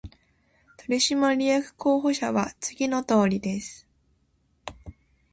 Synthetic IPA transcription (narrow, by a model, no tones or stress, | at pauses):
t̪oɾʲiɕimaɾʲijakɯ̟̥kʰo̞ːɦo̞ɕaβat͡sɨɡʲino̞t̪o̞ːɾʲid̪e̞sɨ̥